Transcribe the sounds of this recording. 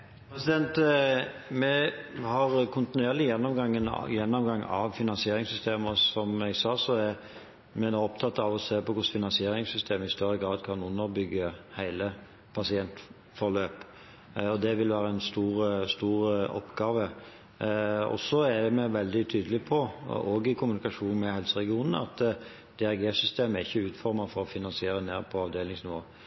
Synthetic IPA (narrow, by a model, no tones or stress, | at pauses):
pʰɾɛsɪd̪ɛnt̪ | mɛhɑɾkʰʊnt̪ɪnʉeːɾlɪjɛnːɔmɡɑŋːənjɛnːɔmɡɑŋːɑ̰ʋfɪnɑnsɪeːɾɪŋsʏst̪eːməsɔmɛɡsɑːsɔæɾ | mɛnoɔpt̪ʰɑt̪ːɑʋɔseːpɔkʰʊsfɪnɑnsɪeːɾɪŋsʏst̪ʰeːməɪst̪œɾːəɡɾɑːd̪kʰɑnʊnːəɾbʏɡːəhæɪlə | pʰɑsɪɛnt̪ | fɔɾløːp | ɔd̪ɛʋɪlʋæːɾəɛnst̪uːɾəst̪uːɾɔ̰pːɡɑːʋə | ɔ̰sɔæd̪ɛmɛʋɛld̪ɪt̪ʰyːd̪əlɪpʰɔoːɡɪkʰʊmʉnɪkɑʂuːnmɛhɛlsəɾɛɡɪuːnənəɑ̰t̪ː | d̪̥ɛæɾɡeːsʏst̪ʰeːməæɾɪçːəʉːt̪fɔɾmɑfɔɾɔfɪnɑnsɪeːɾəneːɾpʰɔɑʋd̪eːlɪŋsnɪʋoː